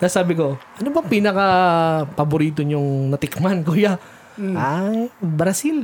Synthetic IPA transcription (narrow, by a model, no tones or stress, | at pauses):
kasaːbɪko̞ʔɐnobɐŋpiːnɐkɐpɐbʊɾiːt̪̬oɲʊŋnɐt̪ɪkmankuːja | ajbɾɐsil